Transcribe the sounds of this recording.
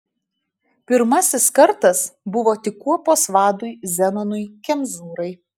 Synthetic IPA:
pʲɪɾmɐsʲɪskɐɾt̪ɐsbʊʋoːt̪ʲɪkːuɔpoːsʋɑːd̪ʊjzʲɛnɔnʊjkʲɛmʲzuːɾɐɪ

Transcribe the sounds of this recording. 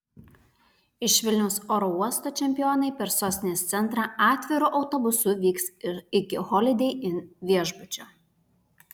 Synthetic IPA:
ɪʃʋʲɪlʲnʲɛʊsoːɾɔuɔst̪oːt͡ʃʲɛmʲpʲɪjoːnɐɪpʲɛɾsoːsʲnʲest̪sʲɛnt̪ɾɑːʔɑːt̪ʲʋʲɪɾʊʔɒʊt̪obʊsʊʋʲiːksɪkʲɪxɔlʲɪd̪ʲɛɪʔɪnʋʲiɛʒbʊt͡ʃʲoː

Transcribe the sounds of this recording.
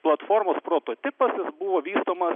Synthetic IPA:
plˠɐt̪foːɾmoːspɾoːt̪oːt̪ʲɪpɐsjɪsbʊʋoːʋʲiːst̪oːmɐs

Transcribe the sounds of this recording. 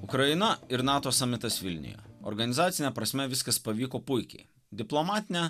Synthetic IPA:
ʊkɾɐjɪnɐɪɾnɑːt̪oːsɑmʲɪt̪ɐsʋʲɪlʲnʲɪ̰jo̰ːɔ̰ɾɡɐnʲɪzɑːt̪sʲɪnʲɛpɾɐsʲmʲɛʋʲɪskɐspɐʋʲiːkoːpʊɪkʲɛ̰ɪ | d̪ʲɪplˠɔmɑːt̪ʲɪnʲɛ

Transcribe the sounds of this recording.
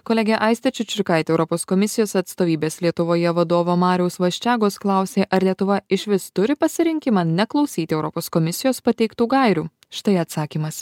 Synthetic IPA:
koːlʲɛɡʲɛʔɐɪsʲt̪ʲɛt͡ʃʲʊt͡ʃʲɾʲkɐɪt̪ʲɛʊɾɔpoːskɔmʲɪsʲɪjoːsɐt̪st̪oːʋʲiːbʲeːslʲiɛt̪ʊʋoːjɛʋɐd̪oːʋoːmɑːɾʲɛʊsʋɐʃʲt͡ʃʲæːɡoːsklˠɑˑʊsʲeːʔɐɾlʲiɛt̪ʊʋɐɪʃʲʋʲɪst̪ʊɾʲɪpɐsʲɪɾʲɪŋʲkʲɪmɑːnʲɛklˠɐʊsʲiːt̪ʲɪɛʊɾɔpoːskɔmʲɪsʲɪjoːspɐt̪ʲɛɪkt̪uːɡɐɪɾʲuː | ʃʲɪ̥t̪ɐɪɐt̪sɑːkʲiːmɐs

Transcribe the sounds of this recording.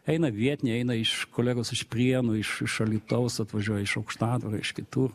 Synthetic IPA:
ɛɪnɐʋʲiɛt̪ʲnʲɛɛɪnɐɪʃkoːlʲæːɡoʊsɪʃpʲrʲiɛnʊɪʃɪʃɐlʲiːt̪ɐʊsɐt̪ʋɐʒʲuɔjɛɪʃɐʊkʃt̪ɑːd̪ʋɐɾɐɪʃkʲɪt̪uːr

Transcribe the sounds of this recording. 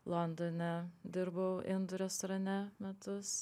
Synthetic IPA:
lˠɔnd̪onʲɛd̪ʲɪɾbɐʊʔɪnd̪ʊɾʲɛst̪ɾɐnʲɛmʲɛt̪ʊs

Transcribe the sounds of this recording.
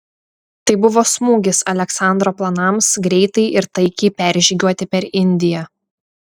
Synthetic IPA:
t̪ɐɪbʊʋoːsmuːɡʲɪsɐlʲɛksɑˑnd̪ɾoːplˠɐnɐˑmsɡɾʲɛɪt̪ɐɪʔɪɾt̪ɐɪkʲɛɪpʲæːˑɾʲʒʲiːɡʲuɔt̪ʲɪpʲɛɾɪnʲd̪ʲɪjɛ

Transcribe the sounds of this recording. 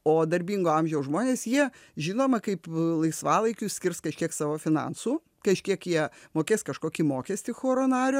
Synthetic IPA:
oːd̪ɐɾʲbʲiːŋɡoːɐmʲʒʲɛʊsʒmoːnʲeːsjiɛʒʲɪːnoːmɐkɐɪplˠɐɪsʋɑːlˠɐɪkʲuːsʲkʲɪrskɐʃʲkʲiɛksɑːʋoːfʲɪnɐ̰ːnsuː | kɐʃʲkʲiɛkjiɛmoːkʲeːskɐʃkoːkʲiːmoːkʲɛsʲt̪ʲɪxoːɾoːnɑːɾʲoː

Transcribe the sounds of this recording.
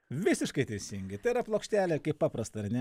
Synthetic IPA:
ʋʲɪsʲɪʃkɐɪt̪ʲɛɪsʲɪŋʲɡʲɪt̪ɐɪɪɾɐplˠoːkʃʲt̪ʲæːlʲeːkɐɪppɑːpɾɐst̪ɐɐrnʲɛ

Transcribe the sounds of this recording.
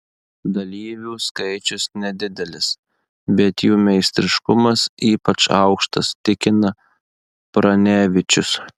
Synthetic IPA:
d̪ɐlʲiːʋʲuːskɐɪt͡ʃʲʊsnʲɛd̪ʲɪd̪ʲɛlʲɪs | bʲɛt̪juːmʲɛɪsʲt̪ʲɾʲɪʃkʊmɐsiːpɐt͡ʃɑ̰ʊkʃt̪ɐ̰st̪ʲɪkʲɪnɐ | pɾɐnʲæːʋʲɪt͡ʃʲʊs

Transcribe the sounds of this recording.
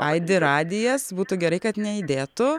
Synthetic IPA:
ɐɪd̪ʲɪɾɑːd̪ʲɪjɛsbuːt̪ʊɡʲɛɾɐɪkɐt̪nʲɛid̪ʲeːt̪ʊ

